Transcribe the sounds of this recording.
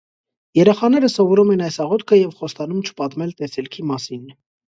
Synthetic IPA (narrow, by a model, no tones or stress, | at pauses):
jɛɾɛχɑnɛɾəsɔvɔɾumɛnɑjsɑʁɔt̪kʰəjɛvχɔst̪ɑnumt͡ʃʰə̥pɑt̪mɛlt̪ɛsɛlkʰimɑsin